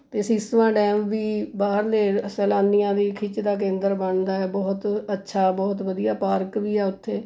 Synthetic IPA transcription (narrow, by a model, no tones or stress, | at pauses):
t̪eːsĩːst̪əʋãːɖɛːmʋiːbaːɦəɾleːsɛːlaːnːijãːd̪iːkʰɪt͡ʃd̪aːk̬ẽːnd̪əɾbəɳd̪aːɛːbɔːt̪ətːʃʰaːbɔːt̪̬ʋəd̪ijaːpaːɾkʋiːɛːʊt̪ʰːeː